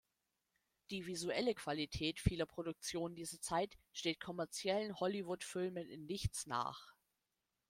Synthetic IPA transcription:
d̥iːvizuɛləkv̥alitʰɛːtfiːlɐpʁ̥odʊk̚t͡sjoːnndiːzɐt͡saɪtʃteːt̚kʰɔmɛɐt͡sjɛlənhɔlivʊtfɪlmənɪnːɪçt͡sna̰ːχ

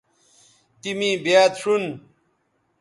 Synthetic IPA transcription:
t̪imĩːbjaːt̪ʂun

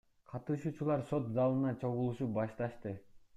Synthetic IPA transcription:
qʰɑt̪ɯʃuːt͡ʃulˠɑɾso̞t̪zɑlˠɯnɑt͡ʃʰo̞ʁulˠuʃup̚bɑʃt̪ɑʃt̪ɯ

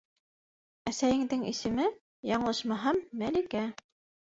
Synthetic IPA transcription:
æsæjɘ̆ŋd̪ɘŋḭsɘ̆mɘ | jɑɴ̆lˠɤʃmɑɦɑmːælikæ

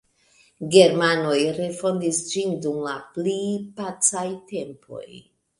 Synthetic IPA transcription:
ɡe̞ɾmano̞jɾe̞fo̞ndisd͡ʒindumlaplipat͡sajte̞mpʰo̞̰j

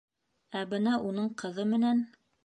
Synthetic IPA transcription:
æbɘnɑʔunɤɴqɤ̆ðɤmɘ̆næn

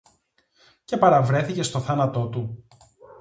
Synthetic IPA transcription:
ce̞pɐɾɐvɾe̞θice̞st̪o̞θɐnɐt̪o̞t̪u

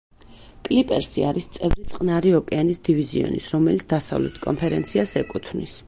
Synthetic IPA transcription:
kʼlipʼɛɾsiaɾist̪sʼɛvɾit̪sʼqʼnaɾiɔkʼɛanisd̪iviziɔ̰nḭsɾɔmɛlit̪sd̪asa̰vlɛ̰t̪ʰkʼɔmpʰɛɾɛnt̪sʰiasɛkʼut̪ʰvnḭs

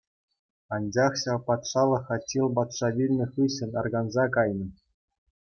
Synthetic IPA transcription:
ɑnʲd͡ʑɑχɕɑʋpɑt̪ʂɑlˠɤ̆χɑtʲːilˠbɑt̪ʂɑʋʲilʲnʲɘ̆χɯɕɘ̆nʲɑrɡɑnzɑkɑjnɤ̆

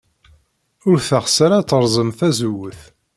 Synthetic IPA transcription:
ʊɾθaχsæɾat͡sːəɾˤzˤəmθæzuwəθ

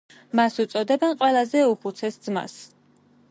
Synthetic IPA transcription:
masut̪sʼɔd̪ɛbɛnqʼwɛlˠazɛupʰut̪sʰɛsd̪zma̰s

